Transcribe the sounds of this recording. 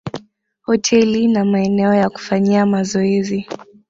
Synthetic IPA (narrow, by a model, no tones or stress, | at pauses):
hɔtʰɛlinamaɛnɛɔjaku̥faɲiamazɔɛzi